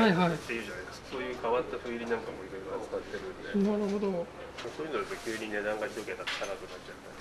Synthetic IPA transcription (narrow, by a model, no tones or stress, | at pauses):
haiɦait̪ːe̞ijɯ̟ːʑanajd̪skkaso̞ːjɯ̟ːkaβat̪ːaɸɯ̟iɾʲinãŋkamo̞iɾo̞jɾoatakat̪ːeɾɯ̟nd̪eaɾɯɦod̪o | mosoːjɯ̟nod̪esekʲɨːɲ̟ine̞d̪ãŋɡaɲʲit̪oket̪atk̪anakɯ̟natt͡ɕat̪ːa